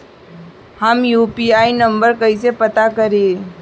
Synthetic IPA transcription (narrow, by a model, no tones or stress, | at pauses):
hɐmjuːpiaːinɐ̃mbəɾkɐisepɐt̪akɐɾẽ